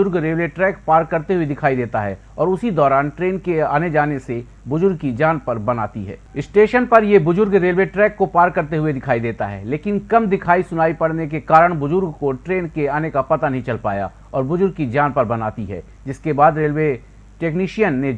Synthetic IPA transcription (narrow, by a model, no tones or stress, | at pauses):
ʊɾɡɾeːlʋeʈɾɛːkpaːɾkːɐɾt̪eɦʊed̪ɪkʰaːid̪eːt̪aɦɛ̰ː | ɔːɾʊsid̪ɔːɾaːnʈɾeːnkeaːned͡ʒaːnese | bʊzʊɾɡ̚kid͡ʒaːnpɐɾbɐna̰ːt̪iɦɛ̰ːɪsʈeːʃənpɐɾjebʊzʊɾɡɾeːlʋeʈɾɛːkːopaːɾkːɐɾt̪eɦʊed̪ɪkʰaːid̪eːt̪a̰ɦɛ̰ːleːkɪnkɐmd̪ɪkʰaːisʊnaːipɐɽnekekaːɾəɽ̃bʊzʊɾɡkoʈɾeːnkeaːnekapɐt̪anɐɦĩt͡ʃɐlpa̰ːja̰ | ɔːɾbʊd͡ʒʊɾɡ̚kid͡ʒaːnpɐɾbɐnaːt̪iɦɛ̰ː | d͡ʒɪskebaːd̪ɾeːlwe | ʈeːkniːʃijənːe